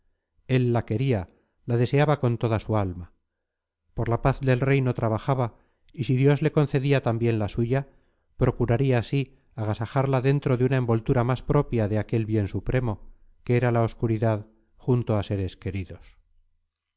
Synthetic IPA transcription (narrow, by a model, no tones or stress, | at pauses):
e̞lːake̞ɾia | lað̞e̞se̞aβako̞nt̪o̞ðasualma | po̞ɾlapaθðe̞lre̞jno̞t̪ɾaβaxaβa | isiðjo̞zle̞ko̞nθe̞ðiat̪ambje̞nlasuʝa | pɾo̞kuɾaɾiaːsi | aɣ̞asaxaɾlaðe̞nt̪ɾoðeunae̞mbo̞lt̪uɾamaspɾo̞pjaðeake̞lβje̞nsupɾʔe̞mo̞ | keeɾalao̞skuɾiðað | xunt̪oase̞ɾe̞ske̞ɾiðo̞s